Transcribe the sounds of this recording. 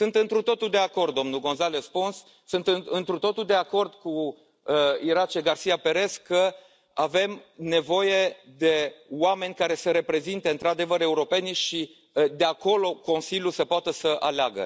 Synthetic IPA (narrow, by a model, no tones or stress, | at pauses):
sɨnt̪ɨnt̪ɾut̪o̞t̪uld̪e̞ako̞rd̪̚d̪o̞mnulɡo̞nzalespunsː | ɨnt̪ɨɨnt̪ɾut̪o̞t̪uld̪e̞ako̞rd̪ku | əiɾat͡ʃe̞ɡarsijape̞ɾe̞skə | ave̞mne̞vo̞je̞d̪e̞wame̞nʲkaɾe̞səɾe̞pɾe̞zint̪eɨnt̪ɾad̪e̞vəɾe̞uɾo̞pe̞niʃi | d̪e̞ako̞lo̞ko̞nsilʲjusəpoat̪əsəʔaleaɡə̰